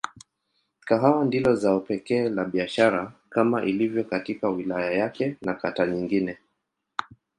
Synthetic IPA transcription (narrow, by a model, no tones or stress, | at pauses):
kaɦawandilɔzaupɛkɛːlaɓiaʃaɾakamaʔilivjɔkatikawilajajakɛnakataɲiŋɡinɛ